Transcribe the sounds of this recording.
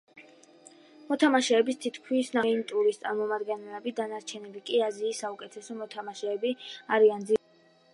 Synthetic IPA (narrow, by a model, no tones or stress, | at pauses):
mɔt̪ʰamaʃɛːbist̪ʰit̪ʰkʰwisnamɛnit̪ʼuɾist̪sʼaɾmɔmad̪ɡɛnɛlɛbid̪anaɾt͡ʃʰɛnilikʼiaziːsːaukʼɛt̪ʰɛsɔmɔt̪ʰamaʃɛːbiaɾiand̪zi